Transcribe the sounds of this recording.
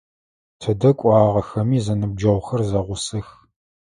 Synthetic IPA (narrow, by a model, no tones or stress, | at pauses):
tʰɐdɐkʷʼɑːʁɐxɐmiːzɐnɨb̚d͡ʒɐʁʷxɐrzɐʁʷʊsɐx